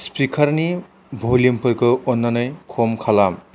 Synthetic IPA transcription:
spikʰɐɾni | bʱolimpɯɾkʰɯɔnːanɯjkʰomkʰalam

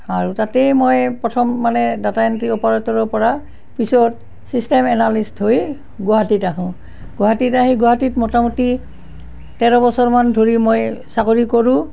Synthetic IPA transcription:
aɹutatejmojpɹɔtʰɔmːanɛdatajɔntɹiɔpɔɹatɔɹɔpɔɹa | pisɔt̚ | sistemɛnalistɦoj | ɡɔɦatitaɦʊ̃ | ɡ̥ɔɦatitaɦĩɡɔɦatitmɔtamuti | tɛɹɔbɔsɔɹmandʱoɹimojsakoɹikoɹũ

